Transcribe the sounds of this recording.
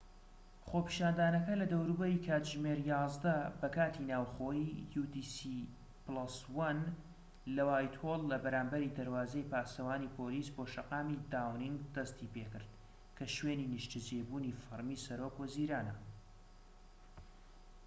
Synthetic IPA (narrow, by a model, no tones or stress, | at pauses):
χopi̥ʃaːnd̪aːnɐkɐlɐd̪ɐwɾubɐɾikʰaːt̪ʒmeɾjɑːzd̪ɐbɐkaːt̪ʰinaːwχoːjijud̪isi | plɐswɐn | lɐwaːjt̪ʰolːɐbɐɾaːmbɐɾid̪ɐɾwaːzejpaːsɐwaːnipʰoːliːsboːʃɐqaːmid̪aːwniŋɡd̪ɐst̪ipekɨɾd̪̚ | kʰɐʃweːninɨʃt̪ʰɨd͡ʒejbuːnifɨɾmiːsɐɾoːkwɐziɾaːnɐ